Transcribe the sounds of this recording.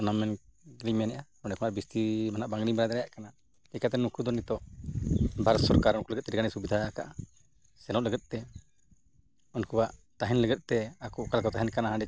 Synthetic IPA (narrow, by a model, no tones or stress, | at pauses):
ɔnamɛnɡliɲmɛnɛʔakɔɳɖɛkɔnaɾbist̪imanaʔbaŋɡɾibɛnad̪ɛɾɛjaʔkana | ɛkat̪ɛnukud̪ɔnit̪ɔʔ | bʱaɾsɔɾkaɾunkuləɡɛt̪̚t̪ːɛɾɡanisubid̪ʱaakaʔa | sɛlɔ̃ʔləɡɛt̪̚ˀt̪ɛ | unkubaʔt̪aɦɛnləɡɛt̪̚ˀt̪ɛakukalkɔt̪aɦɛnkanaɦãɳɖɛ